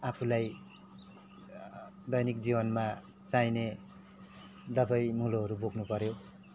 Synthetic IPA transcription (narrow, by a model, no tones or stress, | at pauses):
apʰulaj | d̪ʌjnik̚d͡zibʌnma | t͡sajne | d̪ʌbʌjmuloɦʌɾuboɡnupʌɾjo